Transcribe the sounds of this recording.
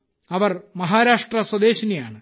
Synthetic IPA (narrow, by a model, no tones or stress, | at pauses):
ɐʋɐrmɐɦaːɾaːʂʈrɐswɐd̪eːɕɐnija̰ːɳɨ